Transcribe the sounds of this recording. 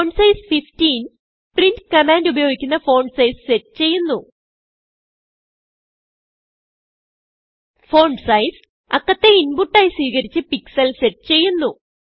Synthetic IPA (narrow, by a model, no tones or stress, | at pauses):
oːɳɖsɐjsfiftiːn | printkɐmaːndubɐjoːɡikʲːunːɐfo̞ːɳɖsɐjsseʈːɨt͡ɕe̞jːunːu | fo̞ːɳɖsɐjs | ɐkːɐt̪ːe̞inbuʈːaːjiswiːɣɐɾit͡ɕːɨpiksɐlseʈːɨt͡ɕe̞jːunːu